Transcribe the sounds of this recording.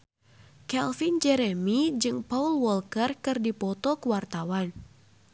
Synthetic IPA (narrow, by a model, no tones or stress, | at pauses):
kɛlfind͡ʒɛɾɛmid͡ʒɨŋpaulwɔlkərkɨrdipɔt̪ɔkuwart̪awan